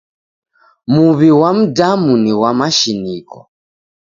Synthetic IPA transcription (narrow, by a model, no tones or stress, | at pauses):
muβiwam̩damuniwamaʃinikɔ̰